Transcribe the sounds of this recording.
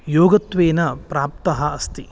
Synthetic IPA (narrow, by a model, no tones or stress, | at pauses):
joːɡɐt̪ʋeːnɐpɾaːp̚t̪ɐɦɐɐst̪i